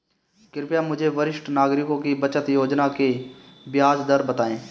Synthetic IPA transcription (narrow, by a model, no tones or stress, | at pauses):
kɪɾpjamʊd͡ʒʱeʋəɾɪʃʈnaːɡɾɪkõkibət͡ʃət̪joːd͡ʒnakebjaːd͡ʒd̪əɾbət̪aːẽː